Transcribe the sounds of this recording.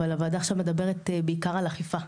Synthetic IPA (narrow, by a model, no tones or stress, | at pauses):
alavaːd̪aːχʃavmed̪abe̞ʁet̪beikaʁalaχifa